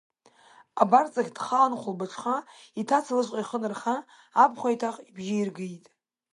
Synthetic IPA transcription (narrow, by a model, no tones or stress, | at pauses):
abart͡sʼaχʲd̥χanχʷʊlbaʈ͡ʂʷʰχaitʰat͡sʰalɨʃʷqʼajχənɨrχaː | pʰʼχʷajtʰaχʼibʒiirɡɨjtʼ